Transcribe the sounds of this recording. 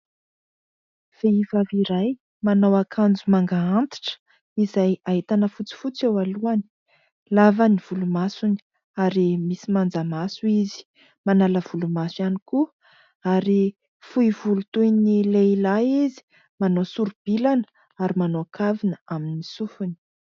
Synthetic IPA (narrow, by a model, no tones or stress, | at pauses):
v̥eivaviɾaj | manowakʰand͡zumaŋɡaant̪i̥ʈ͡ʂə̥ | izajaɦit̪anəfut͡si̥fut͡sewaluani̥ | lavaniv̥ulumasuni̥ | aɾimisimand͡zamasuizi̥ | manaləv̥ulumasjaniku | aɾi | fuivulut̪ujnileilaizi̥ | manosuɾub̥ilanə̥ | aɾimanoakʰavinəaminisufuni̥